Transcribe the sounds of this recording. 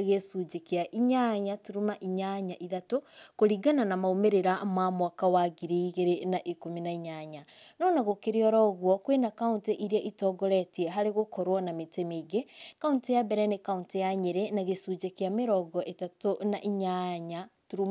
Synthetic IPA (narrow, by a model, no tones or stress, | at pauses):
ɣesud͡ʒekeaʔiɲaɲatuɾumaʔiɲaɲaʔiðatokoɾiɡananamaomeɾeɾamamwakawaɡiɾiɣeɾenaʔikominaiɲaɲanɔnaɣokeɾeɔɾɔɣwɔkwenakaunteʔiɾiaʔitɔɡɔɾɛtiɛɦaɾeɣokɔɾwɔnametemeiɡekauntejabɛɾɛnekauntejaɲeɾenaɣesud͡ʒekeameɾɔɡɔʔetatonaʔiɲaɲatuɾu